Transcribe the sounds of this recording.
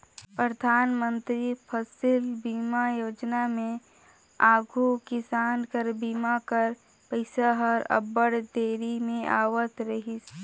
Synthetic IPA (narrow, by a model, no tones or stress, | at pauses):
pɾəd̪ʱaːnmə̃nt̪ɾipʰəsɪlbiːmajoːd͡ʒnamẽ | aːɡʱukɪsaːnkəɾbiːmakəɾ | pəɪsaɦɔɾə̰bəɽd̪eːɾimẽʔa̰ːʋət̪ɾəɦis